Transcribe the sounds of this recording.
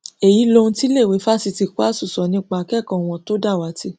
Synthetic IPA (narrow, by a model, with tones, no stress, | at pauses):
e˨ji˨˦lo˧ũ˧ti˦le˦˨we˨˦fa˦si˧ti˧ku˦a˦su˦˨sɔ˨˦nĩ˧˦k͡pa˨˦kɛ˦˨kã˨w̃ɔ̃˧to˦da˦˨wa˨˦ti˧˦